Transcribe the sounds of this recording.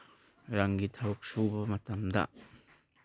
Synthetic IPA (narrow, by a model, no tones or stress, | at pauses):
ɾaŋɡitʰawuk̚subɐmɐtɐmdɐ̰